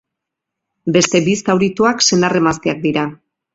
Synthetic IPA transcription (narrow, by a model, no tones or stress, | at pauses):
be̞st̪e̞bist̪awɾit̪uakse̞nd̪are̞mast̪eak̚d̪iɾa